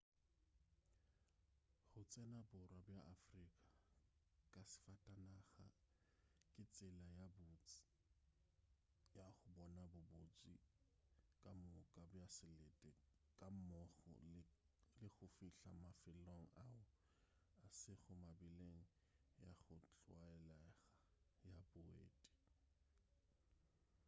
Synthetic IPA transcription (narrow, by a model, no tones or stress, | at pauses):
χʊt͡sʼɛnabʊrwabjaʔafrikʼa | kʼasɪ̥fatʼanaɣa̰ | kʼɪt͡sʼɪlajabʊt͡sʼ | jaχʊbɔnabʊbot͡sʼi | kʼamʊkʼabjasɪlɛtʼɛ | kʼam̩mɔɣɔ̰l | lɪɣʊfiɬamafɪloŋ̩aʊ | asɪɣʊmabɪleŋ̩ | jaχʊt͡ɬʼwaɛlɛɣajabʊḛːtʼi̥